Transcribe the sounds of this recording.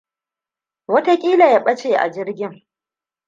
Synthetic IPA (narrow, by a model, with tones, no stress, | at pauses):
wɐ˦ta˦kʲʼiː˦la˨ja˦ɓɐ˦t͡ʃeː˨ʔa̰˨d͡ʒɪ˦rɡʲɪ˦ŋ